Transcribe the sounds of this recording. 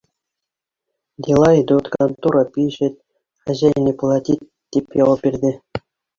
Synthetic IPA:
d̪ʲilˠɑid̪ut̪kɑnt̪uɾɑpʲiɕɘ̆t̪̚ʲ | χæʑæjnʲeplˠɑt̪ʲit̪̚ʲ | tʲːipʲjɑlɤ̆pʲːirʲd̪ʲɘ̆

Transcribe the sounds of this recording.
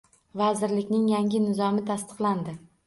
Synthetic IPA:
vazɪɾlɪkʲnɪŋjaŋʲɪnɪzɒmɪt̪ʰast̪ɨ̥qlˠand̪ɪ

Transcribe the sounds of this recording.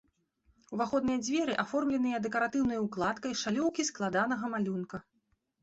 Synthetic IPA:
wvaxɔd̪nɨjɐd͡zʲvʲɛɾɨʔafɔrmlʲɛnɨjɐd̪ɛkɐɾat̪ɨwnɐjɐwklˠat̪kɐjʂalʲɔwkʲisklˠad̪anɐɣɐmalʲunkɐ

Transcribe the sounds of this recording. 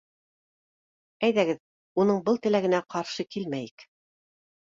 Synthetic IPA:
æjðæɡɘð | unɤɴbɤlˠt̪ɘ̆læɡɘ̆næqɑɾʃɤkilmæjik

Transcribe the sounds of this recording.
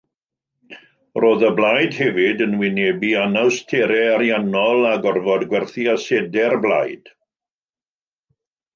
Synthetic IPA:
roːðəblˠajdhɛvɪdənwɪnɛbianawstʰeɾɛaɾjanɔlˠaɡɔrvɔdɡwɛrθiasɛdɛrblˠa̰jd̥

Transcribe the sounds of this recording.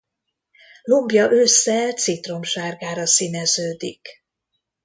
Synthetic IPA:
lombjɒʔøsːɛt̪sit̪ro̞mʃaːrɡaːɾɒsinɛzøːd̪ik

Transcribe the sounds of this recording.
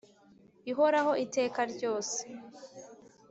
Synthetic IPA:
iɦo̞ɾaɦo̞ʔite̞ːkaɾɟo̞ːse̥

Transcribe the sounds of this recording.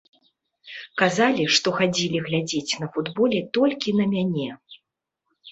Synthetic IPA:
kazalʲiʂt̪ɔxad͡zʲilʲiɣlʲad͡zʲet͡sʲnɐfud̪bɔlʲɛt̪ɔlʲkʲinɐmʲanʲɛ

